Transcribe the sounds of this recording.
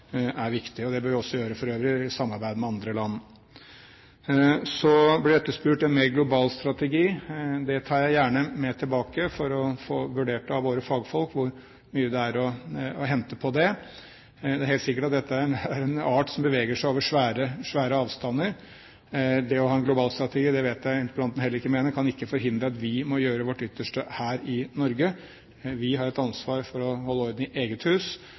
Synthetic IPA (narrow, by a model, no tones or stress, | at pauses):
æɾʋɪkt̪ɪɔd̪ɛbøːɾjʊɔsːɔjøːɾəfɔɾøːʋɾɪsɑmːɑɾbæɪd̪əmɛɑnd̪ɾəlɑnː | sɔblɪɖ̪ɛt̪ːəspʉːʈɛnmeːɾɡlʊbɑːlst̪ɾɑt̪ɛɡiːd̪ɛt̪ʰɑːɾjæɪjæːɳəmɛt̪ʰɪlbɑːkəfɔɾɔfoːʋʉɖeːʈəɑʋoːɾəfɑːɡfɔlkʋʊɾ | myːəd̪ɛæɾɔɔɦɛnt̪əpʰɔd̪ɛ | d̪ɛæɾheːlt̪sɪkːəʈɑt̪̚d̪ɛt̪ːəæɾæɾɛnɑːʈsɔmbəʋeːɡəʂæɪoːʋəʂʋæːɾəʂʋæːɾəɑːʋst̪ɑnːəɾ | d̪ɛɔɦɑːɛnɡlʊbɑːlst̪ɾɑt̪əɡiːd̪ɛʋeːt̪ʰjæɪblɑnt̪nhɛlːɾɪkːəmeːnəɾkʰɑnɪkːəfɔɾɦɪnd̪ɾəɑt̪ʋɪmɔjøːɾəʋɔʈːʏt̪ːəʂʈəhæːɾɪnɔɾɡə | ʋɪɦɑɾɛt̪ɑnsʋɑːɾfɔɾɔhɔlːəoɪnɪʔeːɡət̪hʉːs